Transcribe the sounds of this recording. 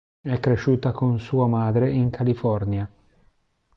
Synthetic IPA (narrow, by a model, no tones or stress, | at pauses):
ɛkːɾeʃuːt̪akonsuːamaːd̪ɾeiŋkʰalifɔrnja